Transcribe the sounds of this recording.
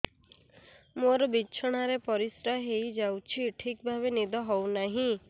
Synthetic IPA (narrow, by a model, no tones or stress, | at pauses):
moɾɔbiːt͡ʃʰɔɽ̃aɾepɔɾisɾaɦejd͡ʒawt͡ʃʰiʈʰikbʱabenid̪ɔɦɔwnaɦĩ